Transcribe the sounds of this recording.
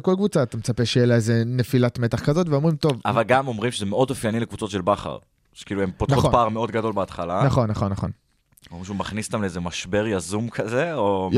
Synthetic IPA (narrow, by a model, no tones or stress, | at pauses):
ko̞lkvut͡saːt̪amet͡sape̞ʃejelaeze̞nefilatmet̪aχkazo̞t̪veo̞mʁimt̪o̞va̰valɡamo̞mʁimʃezemeo̞d̪ofjanilekvut͡so̞t̪ʃelbaχa̰ʁ | ʃe̥kiːluempotopaːʁmeo̞d̪ɡado̞lbeat̪χalanaχo̞nːaχo̞nːaχo̞̰n | oʁimʃumaχnist̪amleezemaʃbe̞ʁjazumkʰazeo